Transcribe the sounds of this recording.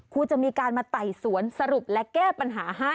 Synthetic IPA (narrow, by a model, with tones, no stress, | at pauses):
kʰuː˧t͡ɕa˨˩miː˧kaː˧nmaː˧t̪a˨˩jsu˩˦ənsa˧ɾu˨˩p̚lɛ˦˥kɛː˥˩pa˧nɦaː˩˦ɦa˦˥˩